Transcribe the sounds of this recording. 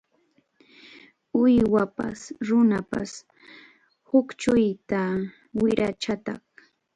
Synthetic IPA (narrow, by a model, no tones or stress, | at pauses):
ʊjwapa̰sɾʊnapa̰s | hʊkt͡ʃʊjt̪a | wɪɾʔat͡ʃat̪ɑχ